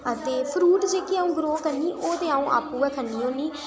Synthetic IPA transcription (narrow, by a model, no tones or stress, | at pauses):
ət̪ẽːpʰɾuːʈd͡ʒeːkiaːũːɡɾoːkəɾniːʔoːt̪eːaːũːʔa̰ːpːuːɛːkʰəniːɦoːniː